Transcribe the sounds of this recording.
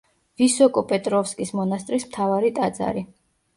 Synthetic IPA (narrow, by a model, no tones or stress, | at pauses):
visɔkʼɔpʼɛt̪ʼɾɔfskʼismɔnast̪ʼɾismt̪ʰavaɾit̪ʼad̪za̰ɾi